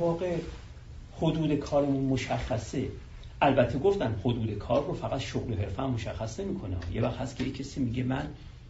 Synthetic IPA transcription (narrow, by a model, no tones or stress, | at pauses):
vɒːɣe̞ | hod̪uːd̪e̞kʰɒːɾemumoʃæxːæse̞ | ʔælbæt̪ʰːeɡo̞ft̪ænd̪hod̪uːd̪e̞kʰɒːrːofæɣæt̪ʃoɣloɦe̞ɾfæmːoʃæxːæsne̞miːkʰoneɒ̰ːjevæxt̪hæst̪kʰʲejecʰːesiːmiːɟe̞mæn